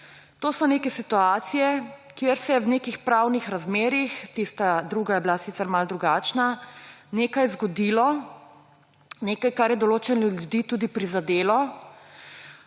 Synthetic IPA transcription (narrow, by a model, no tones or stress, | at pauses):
t̪oːsɔnekɛsit̪uaːt̪sijɛkjeɾsɛɛwnekixpɾawnixɾazmeːɾixt̪ist̪ad̪ɾuːɡajɛblasit̪sɛɾmald̪ɾuɡaːt͡ʃnaneːkajzɡɔd̪iːlɔ | neːkajkaɾjɛd̪ɔloːt͡ʃɛnljulud̪iːt̪uːd̪ipɾizad̪eːlɔ